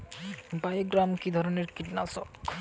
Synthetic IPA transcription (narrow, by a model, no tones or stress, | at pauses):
bajɡɾamkid̪ʱɔɾoneɾkiʈnaso